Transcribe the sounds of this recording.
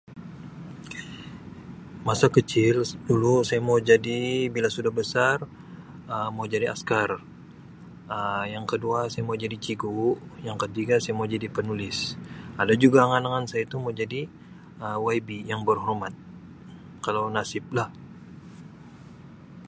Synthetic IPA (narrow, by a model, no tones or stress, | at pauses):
masakət͡ʃɪldulusajamaud͡ʒadibilasudahbəsar | əmaud͡ʒadiʔa̰skar | əjaŋkəduasajamaud͡ʒadit͡ʃiɡuʔjaŋkət̪iɡasajamaud͡ʒadipənulɪsadad͡ʒuɡaŋanaŋansajait̪umaud͡ʒadi | əwajbijaŋbərɦɔrmat̪̚ | kalawnasɪp̚lah